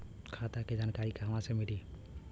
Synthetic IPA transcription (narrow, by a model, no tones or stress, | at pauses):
kʰat̪aked͡ʒaːnkaɾikaɦəmãsemɪɖi